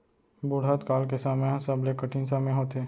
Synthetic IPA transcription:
bʊɽ̤at̪kaːlkesaːmeãsɐblekəʈʰinsaːmẽɦoːt̪eː

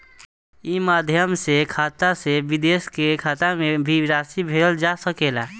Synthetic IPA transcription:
imaːd̪ʱjəmsekʰaːt̪aseʋɪd̪eːskekʰaːt̪amẽbʱiɾaːsibʱeːɽəld͡ʒasəkeːla

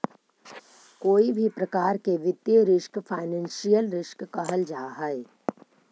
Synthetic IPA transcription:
koːibʱipɾɐkaːɾkeʋɪd̪jəɾɪʃkfʰaːɪnɛ̃ːnʃijəlɾɪʃkkɐɦəld͡ʒaːɦɛe

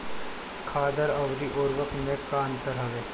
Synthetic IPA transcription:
kʰaːd̪əɾɐʋɾiʔoːɾʋəkmẽkaɐ̃nt̪əɾɦɐʋeː

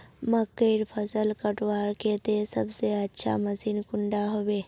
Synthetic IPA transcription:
məkːəɾpʰəsəlkəʈʋaːɾket̪esəbseətːʃʰa̰məsiːnkʊɳɖaɦoʋeː

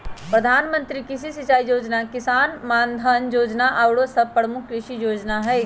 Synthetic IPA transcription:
pɾɐd̪ʱaːnmə̃nt̪ɾikɪsisɪt͡ʃaːijoːd͡ʒnakɪsaːnmãːnd̪ʱanjoːd͡ʒnaʔawɽosɐb̚pəɽmʊkːɾɪʃijoːd͡ʒnaɦɛː

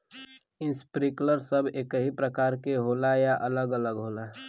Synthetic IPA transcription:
ɪ̃nspɾikləɾsəbekəɦipɾəkaːɾkeɦoːlajaʔələɡələɡɦoːla

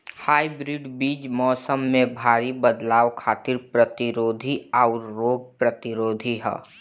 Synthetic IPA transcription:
haːibɾiɖbiːd͡ʒmɔːsəmːẽbʱaːɾibəd̪laːʋkʰaːt̪ɪɾpɾət̪ɪɾoːd̪ʱiaʊɾːoːɡ̚pɾət̪ɪɾoːd̪ʱiɦɛ̰ː

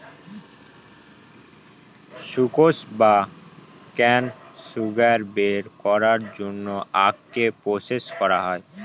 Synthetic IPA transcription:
ʃukosba | kɛnsuɡaɾbeɾkɔɾaɾd͡ʑonːoʔakːepɾoseskɔɾaɦɔe

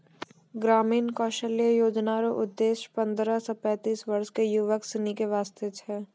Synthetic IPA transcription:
ɡɾaːmiːnkɔːʃəlijəjoːd͡ʒnaɾoʔʊd̪ːeːʃpɐ̃nd̪ɾasɔpɛ̃ːt̪iːsʋɐɾʃkejuʋəksɪnikeʋaːst̪et͡ʃʰɛː

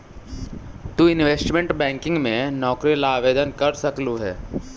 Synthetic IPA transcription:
t̪uɪ̃nʋeːsʈmẽɳʈbɛ̃ːŋkɪ̃ŋɡmẽnɔːkɾilaːʋeːd̪ənkɐɾsɐkluɦɛː

